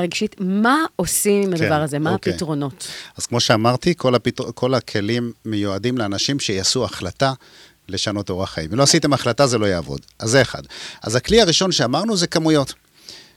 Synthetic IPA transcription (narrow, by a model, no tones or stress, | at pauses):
ʁeɡʃitmaosimimad̪vaʁazemaakitʁo̞no̞taz̥kmo̞ʃe̞amaʁt̪ikolapitkʰo̞lakʰe̞limːejuadimleanaʃimʃejasuaχlata | le̞ʃano̞to̞ʁaχajimiloasite̞maχlatazelo̞jaːvo̞̰dazːeeχa̰d̪a̰zakliaʁiʃo̞nʃeamaʁnuzekamujo̞t